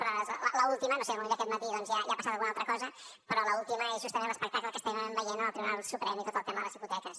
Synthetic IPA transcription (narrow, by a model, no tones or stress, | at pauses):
pɾɔzlələulˠt̪imənosemominəkɛt̪mət̪iðɔnzjajapasat̪alˠɣunalˠt̪ɾəkɔzə | pɾɔləulˠt̪iməezʒust̪əɾeləspək̚t̪akləkəst̪ɛβəmbəjenəəlˠt̪ɾiβunalˠsupɾɛmit̪ot̪əlˠt̪ɛmɐðələziput̪ɛkəs